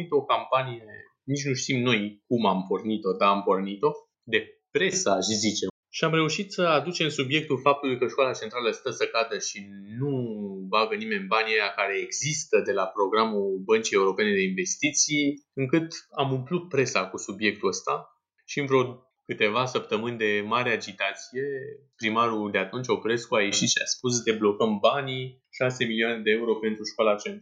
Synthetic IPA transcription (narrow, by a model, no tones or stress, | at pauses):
it̪o̞kampanije̞ | nit͡ʃnuʃt̪imno̞jkumampo̞rnit̪o̞d̪aːmpo̞rnit̪o̞ | d̪e̞pɾe̞saʃzit͡ʃe | ʃiamɾe̞uʃit̪səad̪ut͡ʃe̞msubje̞k̚t̪ulfap̚t̪ulujkəʃkoalat͡ʃe̞nt̪ɾaləəst̪əsəkat̪əʃinubaɡənime̞nʲbanʲejakaɾe̞ːɡz̥ist̪əd̪e̞lapɾo̞ɡɾamubənt͡ʃie̞uɾo̞pe̞ne̞d̪e̞inve̞st̪it̪sijɨŋkɨt̪amumplut̪̚pɾe̞sakusubje̞k̚t̪uəst̪a | ʃiɨnvɾo̞ | kɨt̪e̞vasəp̚t̪əmɨnʲd̪e̞maɾead͡ʒit̪at̪sije̞pɾimaɾud̪e̞at̪unt͡ʃopɾe̞skuajeʃiʃa̰spus̬d̪e̞blo̞kəmbani | ʃase̞milioane̞d̪e̞euɾo̞pe̞nt̪ɾuʃkoalat͡ʃent̪